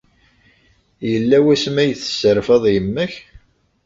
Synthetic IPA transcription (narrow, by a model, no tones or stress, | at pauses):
jəlːæwæsmæjəθə̥səɾfɑðˤjəmːəç